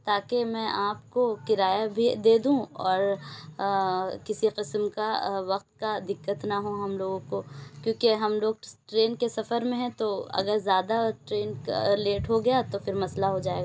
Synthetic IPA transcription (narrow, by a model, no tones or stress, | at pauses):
t̪aːkemɛ̃ʔaːpkokɪɾaːjabʱid̪eːd̪ũɔːɾ | kɪsiqɪsmkaʋɐqt̪̚kad̪ɪkːət̪naɦũɦɐmloːɡõkokjõːkeɦɐmloːɡ̚ʈɾeːnkesɐfəɾmẽɦɛ̃t̪oɐ̰ɡəɾzjaːd̪aʈɾeːnleːʈɦoɡɐjat̪ofɪɾmɐslaɦod͡ʒaːeːɡaː